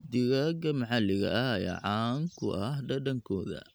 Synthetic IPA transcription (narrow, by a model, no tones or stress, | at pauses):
d̪ɪɣaɡɐmɐʕɑlɪɣɐ̰jɐ̰ʕɑːŋkʰʊʔɐɦɖɐɖɐŋkʰɔːðɐ̰